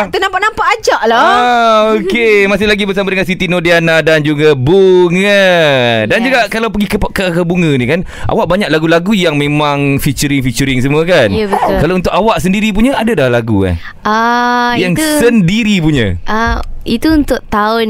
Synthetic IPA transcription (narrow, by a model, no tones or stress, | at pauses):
t̪ənampaʔnampaʔad͡ʒaʔlɔ | okemasɪhlaɡibərsamadəŋansit̪inodianadand͡ʒuɡabuŋədand͡ʒuɡaʔkalawpəɡikkəkəbuŋə̃nikan | ʔa̰waʔbaɲaʔ̚laɡulaɡujaŋmẽmãŋfit͡ʃəɾɪŋfit͡ʃəɾɪŋs̬əmuəkanjabət̪ʊlkalaunt̪ʊʔawaʔsəndiɾip̬uɲəadadalaɡuka̰n | ajaŋsəndiɾipuɲə̰̃ʔait̪uunt̪ʊʔt̪aʊn